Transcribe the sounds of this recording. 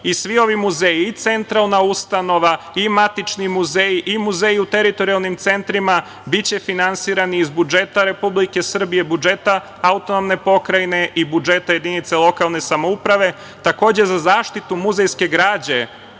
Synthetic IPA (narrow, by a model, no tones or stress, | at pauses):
isʋio̞ʋimuzeːjiit̪se̞nt̪ɾalˠnaust̪ano̞ʋa | imat̪it͡ʃnimuzeːjiʔimuzeːjiut̪e̞ɾit̪o̞ɾialˠnimt̪se̞nt̪ɾima | bit͡ɕe̞finansiːɾaniːzbud͡ʒe̞t̪aɾe̞publike̞sr̩bije̞bud͡ʒe̞t̪a | aut̪o̞no̞mne̞po̞kɾajne̞ʔibud͡ʒe̞t̪aje̞d̪init̪selo̞kalˠne̞samo̞upɾaʋe̞ | t̪ako̞ːd͡ʑe̞zazaːʃt̪it̪umuzejske̞ɡɾaːd͡ʑe̞